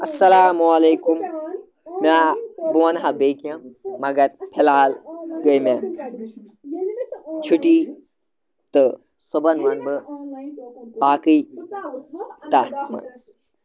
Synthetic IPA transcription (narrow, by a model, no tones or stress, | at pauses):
ɐsːɐlaːmuɐleːkum | mabuɐnɦɐbekjɐ̃mɐɡɐɾpʰilaːlɡəjme | t͡ʃʰuʈi | t̪ɨ | sobɐnʋɐnmɨ | baːkɨj | t̪aːt̪mɐ̰n